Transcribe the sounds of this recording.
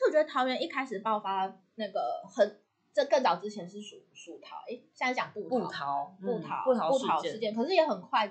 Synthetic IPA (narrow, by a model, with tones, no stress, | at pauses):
ɔ˨t͡ɕɥɛ˧˥ə˧t̪ʰɑ˧˥ʊɥɛ˧˥ni˥˩kʰa˥ɪʂɻ̩˨˩pɑ˥˩ʊfa˥ | na˥˩ɡə˩xə˨˩n | ʈ͡ʂə˥˧kə˥˩ŋt͡sɑ˨˩ʊʈ͡ʂɻ̩˥t͡ɕʰjɛ˧˥nʂɻ̩˥˩ʂu˨˩ʂu˨˩t̪ʰɑ̰˨˧˥ʊʔɛ˥˩ɕ̩˥˧˥t͡ɕɑ˨˩ŋpu˥˩tʰt̪ʰɑ˨˦pu˥˩t̪ʰɑ̰˧˥˦pu˥˩˧u˥˩t̪ʰɑ˧˥ʊʂɻ̩˥˧t͡ɕjɛ˥˩nkʰɤ˨˩ʂɻ̩˥˩jɛ˧˥xə˨˩nkʰwa˥˧ɪ